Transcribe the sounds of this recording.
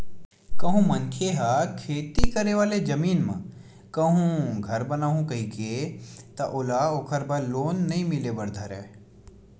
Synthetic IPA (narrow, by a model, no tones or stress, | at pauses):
kɐɦũmɐ̃nkʰeɦakʰeːt̪ikɐɾeʋaːled͡ʒɐmiːnmɐ̰̃ | kɐɦũɡʱɐɾbɐnaːɦũkɐɦikeːt̪ɐʔʊlaokʰəɾbɐloːnːɐɦĩmɪlebɐɾd̪ʱɐɾɛ̰ː